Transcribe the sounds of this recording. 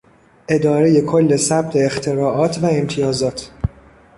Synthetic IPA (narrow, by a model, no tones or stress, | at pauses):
ʔe̞d̪ɒːɾe̞je̞kʰolːe̞sæb̥̚t̪ʰe̞ːxt̪ʰe̞ɾɒːʔɒːt̪ʰvæe̞mt̪ʰijɒːzɒːt̪ʰ